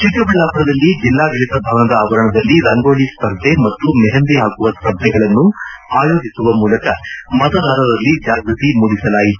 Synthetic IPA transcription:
t͡ʃikːɐbilaːpɐɾɐd̪ɐlːid͡ʒilːaːɡɐɭit̪ɐbʱaːʋɐnɐd̪ɐaːʋɐɾɐɳɐd̪ɐlːiɾɐŋɡoːɭispɐɾd̪ʱemɐt̪ːumɛɦɐnd̪iɦaːkuʋɐspɐɾd̪ʱɛɡɐɭɐnːuaːjo̞ːd͡ʒisuʋɐmuːlɐkɐmɐd̪ɐd̪ʱaːɾɐdɐlːid͡ʒaːɡɾut̪imuɽisɐlaːjit̪u

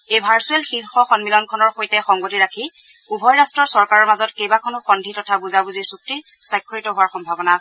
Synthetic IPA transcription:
ejbʱaɹsuɛlxiɹxɔxɔnmilɔnkʰɔnɔɹxojtɛxɔŋɡotiɹakʰi | ubʱɔjɹastɹɔɹsɔɹkaɹɔɹmazɔtkejbakʰɔnʊxɔndʱitɔtʰabuzabuziɹsuk̚ti | swajkʰːɔɹitɔɦʊwaɹxɔmbʱabɔnaːsɛ

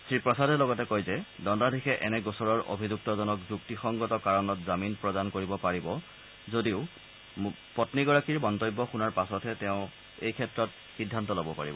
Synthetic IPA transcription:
sɹipɹɔsadʱɛlɔɡɔtɛkojzɛdɔndadʱixʰɛʔɛnɛɡɔsɔɹɔɹʔo̰bʱizuk̚tɔzɔnɔkzuktixɔŋɡɔtɔkaɹɔnɔtzaminpɹɔdankoɹibɔpaɹibɔ | zodiʊ | pɔtniɡɔɹakiɹbɔntɔjbːɔxunaɹpasɔtʰɛtɛʊ̃ | ejkʰɛtɹɔt̚ | sidʱːantɔlobɔpa̰ɹḭbɔ

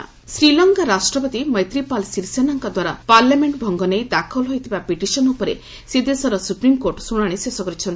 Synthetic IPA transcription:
sɾilɔŋkaɾasʈɾɔpɔt̪imʌjt̪ɾipalsiɾsenɔŋkɔd̪waɾa̰paɾljameɳʈbʱɔŋɡɔnejd̪akʰɔlɦojt̪ʰibapiʈisɔnupɔɾḛ | sed̪esɔɾɔsupɾimkoɾʈsuɽ̃aɽ̃esesɔkɔɾit͡ʃʰɔni

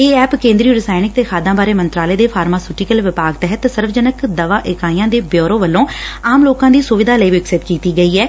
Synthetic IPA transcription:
eːɛːpkẽːnd̪ɾiːɾɪsaːɪnɪk̚t̪eːkʰaːd̪ãːbaːɾeːmənt̪ɾaːleːd̪eːpʰaːɾmaːsuːʈiːkəlʋɪpaːɡt̪ɛɦət̪səɾʋd͡ʒənəkd̪əʋaːʔɪkaːiːãːd̪eːbjoːɾõːʋəlːõːaːmloːkãːd̪iːsʊʋɪd̪aːləiːʋɪksɪt̪kiːt̪iːɡəiːɛː

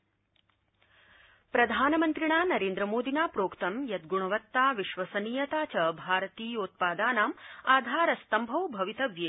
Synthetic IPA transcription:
pɾɐd̪ʱaːnɐmɐnt̪ɾiɳaːnɐɾeːnd̪ɾɐmoːd̪ʱinaːpɾoːkt̪ɐmjɐt̪̚ɡuɳɐʋɐt̪ːaːʋiʃʋɐsɐniːjɐt̪aːt͡ʃɐbʱaːɾɐt̪iːoːt̪̚paːd̪aːnaːmaːd̪ʱaːɾɐst̪ɐmbʱɐwbʱɐʋit̪ɐʋjeː

